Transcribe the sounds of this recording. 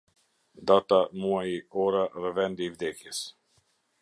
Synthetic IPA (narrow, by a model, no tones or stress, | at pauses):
d̪at̪amuajiɔɾaðɛvɛnd̪iivd̪ɛkjɛs